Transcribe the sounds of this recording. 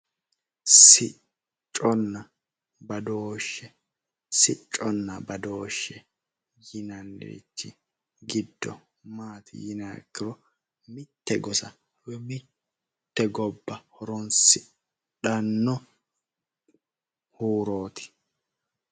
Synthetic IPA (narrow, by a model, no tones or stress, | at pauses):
sɪ | t͡ʃʼːɔnːɐ | bɐd̪oːʃːɛ | sɪt͡ʃʼːɔnːɐbɐd̪o̞ːʃːɛ | jɪnɐnːɛ̰ɾɪ̰t͡ʃːɪ | ɡɪd̪ːɔ̰ | maːt̪ʰɪ̰jɪnaːkːɪɾɔ | mɪt̪ːɛɡɔsɐ | wɛmɪ | t̪ːɛɡɔbːɐhɔɾɔnsɪ | ᶑɐnːɔ | huːɾoːt̪ʰɪ̥